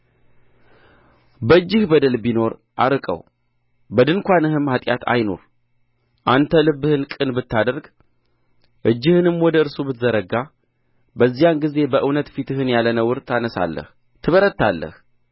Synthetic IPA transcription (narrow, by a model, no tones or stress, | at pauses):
bəɨd͡ʒːɪhbəd̪əlbino̞ɾ | ʔaɾɨkʼə̰w | bəd̪ɨŋkʷanɨhɨmhat̪ʼja̰t̪ʰa̰jno̞̰ɾ | ʔant̪ʰəlɨbːɨhɨnkʼɨnbɨt̪ːad̪əɾɡ | ʔɨd͡ʒːɪhɨnɨmwɔd̪əɨɾsubɨt̪zəɾəɡa | bəzːijanɡize̞bəʔɨwnət̪fit̪ʰɨhɨnjalːənəwɨɾt̪ʰanəsa̰lːə̰h | t̪ʰɨβəɾət̪ʰːalːə̰h